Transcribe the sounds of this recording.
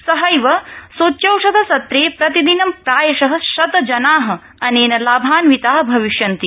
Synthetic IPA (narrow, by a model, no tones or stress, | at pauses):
sɐɦɐjʋɐsoːt͡ʃːjɐwʂɐd̪ʱɐsɐt̪ɾeːpɾɐt̪id̪inɐmpɾaːjɐʃɐɦɐ̆ʃɐt̪ɐd͡ʒɐnaːɦɐ̆ | ɐneːnɐlaːbʱaːnʋit̪aːɦbʱɐʋiʃjɐnt̪i